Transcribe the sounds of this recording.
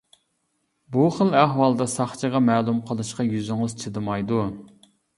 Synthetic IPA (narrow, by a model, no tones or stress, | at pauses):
buχəlˠæɦwɑlˠd̪ɑsɑχt͡ʃʰəʁɑmæːlˠumqʰəlˠɨʃqɑjyzyŋɨz̥t͡ʃʰɨd̪ɨmɑjd̪u